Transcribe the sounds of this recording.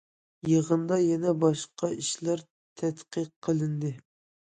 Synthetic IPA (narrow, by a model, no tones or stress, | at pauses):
jeʁənd̪ɑjɛnɛbɑʃqɑiʃlæɾ | t̪ʰɛt̪qəqʰːəlˠɨnd̪ɨ